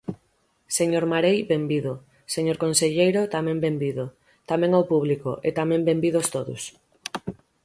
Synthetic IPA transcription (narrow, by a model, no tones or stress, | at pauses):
seɲoɾmaɾejbembiðo | seɲoɾkonseʎejɾot̪amɛ̃mbembiðo | t̪amɛ̃ŋowpuβ̞liko̰ʔet̪amẽmbembiðost̪oðʊ̰s